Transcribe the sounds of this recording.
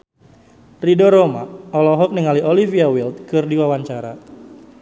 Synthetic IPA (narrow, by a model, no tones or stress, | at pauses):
ridoɾoma̰ɔlɔɦɔk̚nəŋalioliviawilt̪̚kɨrdiwawaɲt͡ʃaɾa̰